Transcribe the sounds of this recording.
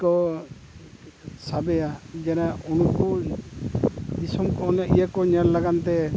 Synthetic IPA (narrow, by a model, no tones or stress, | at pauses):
kɔ | sabɛjad͡ʒɛnaunkɔ | d̪isɔmkɔnaʔḭjakɔɲɛɾlaɡant̪ɛ